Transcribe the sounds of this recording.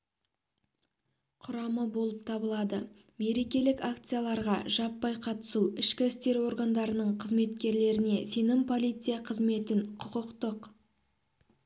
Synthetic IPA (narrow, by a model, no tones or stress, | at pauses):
qʰʊɾɑməbo̞lˠəp̚t̪ʰɑbəlˠɑd̪ə | me̞ɾe̞kʲe̞lɪkakt̪sɨjalˠɑɾʁɑ̰ʒɑpːɑjqʰɑt̪ə̥suɪʃkʲɪɪst̪e̞ɾwo̞ɾɡand̪ɑɾənəɴqʰəzme̞t̪kʲe̞ɾle̞ɾɪne̞se̞nɪmpʰo̞lˠijt̪sɨjaqʰəzme̞t̪ɪɴqʰʊqəqt̪əq